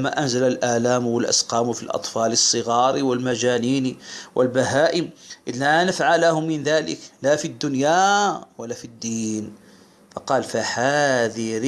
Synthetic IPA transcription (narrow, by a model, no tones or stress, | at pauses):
mːaʔanzalalʔaːlaːmwalʔa̰sqɑːmfilʔɑ̰t̪ˤfɑːlɨsˤːɨɣɑːɾiwɪlmaʒaːniːnwʔɪlbaɦaːʔɪmʔlanafʕalahʊmːɪnðaːlɪ̰klafid̪ːʊnjawalafid̪ːiːn | fɑqɑːlfaħaðiɾ